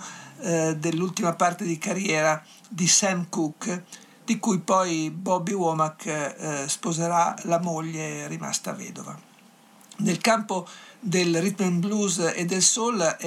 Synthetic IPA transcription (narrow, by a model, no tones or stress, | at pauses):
d̪elːult̪imapart̪ed̪ikaɾjɛːɾa | d̪isɛmkuk | d̪ikujpɔjbɔbiwɔːmak | spozeɾalamoʎːeɾima̰st̪a̰vɛ̰ːd̪ova̰ | nelkampod̪elrit̪menbluzed̪elsol